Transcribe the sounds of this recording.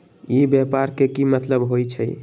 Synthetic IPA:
ibjapaɾkekimət̪ləbɦojt͡ʃʰəj

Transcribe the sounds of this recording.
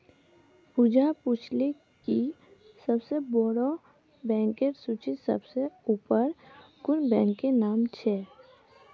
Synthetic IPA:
pud͡ʒapuːt͡ʃʰle | ki | səbsebɔɽo | bɛ̃ːŋkeɾsut͡ʃisə̰bseuːpəɾ | ɡʊɾbɛ̃ːŋkːenaːmt͡ʃʰɛː

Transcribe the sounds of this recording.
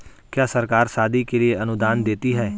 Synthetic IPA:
kjaːsəɾkaːɾsaːd̪ikelieɐnʊd̪aːnd̪eːt̪iɦɛː

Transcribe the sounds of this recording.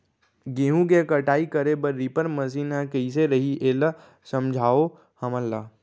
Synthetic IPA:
ɡeːɦũɡekəʈaːikəɾebəɾːipəɾməs̬iːnɦɛ̃kəis̬eɾəɦiʔeːl | sə̃md͡ʒʱaːo | hɐməlːaː

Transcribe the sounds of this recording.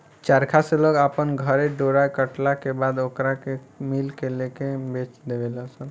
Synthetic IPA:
t͡ʃaɾkʰaseloɡapənɡʱəɾeɖoɾajkəʈlakebad̪okɾakemilkelekebet͡ʃd̪ebeləsən

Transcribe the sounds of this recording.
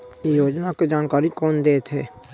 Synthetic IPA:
ejoːd͡ʒnaked͡ʒaːnkaːɾikoːnd̪eːt̪ɦeː

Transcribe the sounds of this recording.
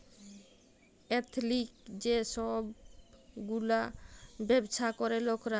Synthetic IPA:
ɛt̪ʰlik̚d͡ʑeʃɔb | ɡulabɛbʃʰakɔɾelokɾa

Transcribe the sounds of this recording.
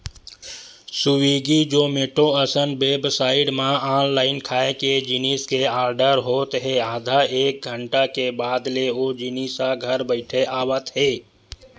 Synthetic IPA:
sʊwiːɡid͡ʒoːmeːʈoəsənbeːbsaːɪɖmãaːnlaːɪnkʰaːeked͡ʒiniːskeaːɾɖəɾɦoːt̪ɦeaːd̪ʱaeːk̚ɡʱə̃ɳʈakebaːd̪leoːd͡ʒiniːsaɡʱəɾbəɪʈʰeʔaːwət̪ɦeː

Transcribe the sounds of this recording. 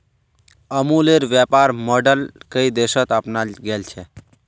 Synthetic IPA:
əmuleɾʋjəpaɾmɔɖəlkəid̪esət̪əpnaɡelt͡ʃʰɛ

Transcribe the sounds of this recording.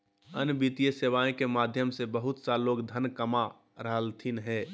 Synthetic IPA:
ənbit̪ijəseʋaːẽkemaːd̪ʱjəmsebəɦʊt̪saloːɡd̪ʱənkəma | ɾəɦəlt̪ʰinɦɛː

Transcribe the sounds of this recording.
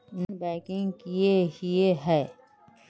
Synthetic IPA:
ɪnbɛːkɪ̃ŋɡkieɦieɦɛː

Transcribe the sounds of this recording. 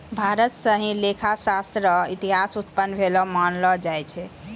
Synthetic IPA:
bʱaɾət̪səɦĩlekʰasast̪ɾəit̪iɦasut̪pənːbʱelɔmanlɔd͡ʒajt͡ʃʰɛ

